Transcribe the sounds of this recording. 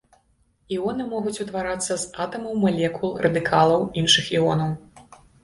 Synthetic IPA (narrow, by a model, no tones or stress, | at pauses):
iɔnɨmɔɣut͡sʲut̪vaɾat̪sːɐzat̪ɐmɐwmalʲɛkulˠrʔɐd̪ɨkʰalˠɐwinʂɨxiɔnɐw